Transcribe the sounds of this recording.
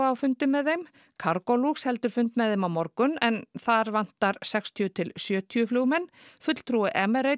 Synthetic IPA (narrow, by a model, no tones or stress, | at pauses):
awfʏnt̪ɪmːɛðejm | kʰaɾkɔluxshɛl̪t̪ʏɾ̥fʏnt̪mɛððejmawmɔɾkʏnɛnθaɾvan̥t̪aɾsɛkst̪ʰjʏt̪ʰɪlsjœːt̪ʰiʏflʏwmɛnːfʏt̪l̥t̪ʰɾuɪʔɛmɛɾej